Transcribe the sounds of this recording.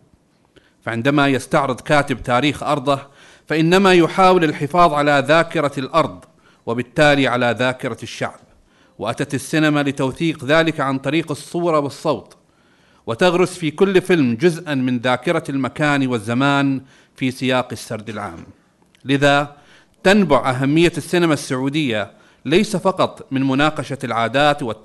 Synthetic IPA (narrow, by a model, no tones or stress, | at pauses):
faʕɪnd̪amajast̪aʕɾɨd̪ˤkaːt̪ɪb̚t̪aːɾiːxʔɑɾˤd̪ˤɑ | faʔɪnːamajʊħaːwɪlɪlħɪfɑːðˤʕalaðaːkɪɾˤɑlʔɑɾˤd̪ˤ | wɪbɪt̪ːaːliʕalaðaːkɪɾˤɑʃːa̰ʕb̚ | wɪʔat̪at̪asːɪnamalɪt̪awθiːqðaːlɪkʕant̪ˤɑɾiːqɨsˤːuːɾˤɑwɪsˤːɑwt̪ˤ | wɪt̪aɣɾʊsfiːkʊlːfɪlmd͡ʒʊzʔanmɪnðaːkɪɾˤalmakaːnwɪzːamaːn | fiːsˤɪjaːqɪsːaɾˤd̪ɪlʕa̰ːm | lɪða | t̪anbʊʕʔaɦamːɪjːasːɪnamasːaʕuːd̪ɪjːa | lajsafɑqɑt̪ˤmɪnmʊnaːqɑʃalʕaːd̪aːt̪wɪ